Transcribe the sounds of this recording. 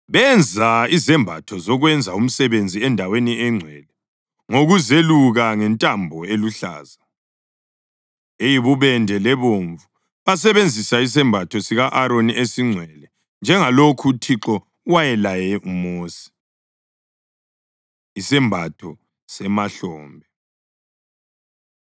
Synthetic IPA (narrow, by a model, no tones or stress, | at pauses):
βɛnd͡zʱaizɛmbʱatʰɔzɔɣwɛnd͡zʱaum̩sɛβend͡zʱiɛndʱawenieŋ͡ǀʱwɛlɛ | ŋoɣuzeluɣaŋɛntʼambʱɔeluɬa̰ːza | ejiβuβɛndʱɛlɛβoɱvu | βasɛβend͡zʱisais̬ɛmbʱatʰɔsiɣaʔaɾoniesiŋ͡ǀʱwɛlɛ | nd͡ʒʱɛŋalokʰutʰiǁɔ | wajɛlajɛumoːsi̥ | isɛmbʱatʰɔ | sɛmaɬɔːmbʱɛ